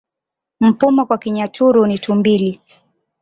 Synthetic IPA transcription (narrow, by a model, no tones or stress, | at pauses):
m̩pumɔkwakiɲatʰuɾunitʰumbili